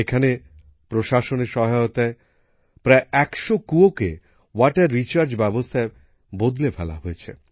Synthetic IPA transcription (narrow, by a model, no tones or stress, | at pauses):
ekʰane | pɾoʃaʃoneɾʃɔɦajot̪ae | pɾaeɛkʃokuokḛ | waʈaɾːit͡ɕaɾd͡ʑbɛbost̪ʰae | bod̪lefɛla̰ɦojet͡ɕʰḛ